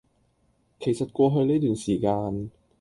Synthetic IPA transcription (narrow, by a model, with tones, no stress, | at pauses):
kʰe˨˩jsɐ˨t̚kʷɔː˧ɦɵ˧ɥneː˥jt̪yː˨nsiː˨˩kaː˧n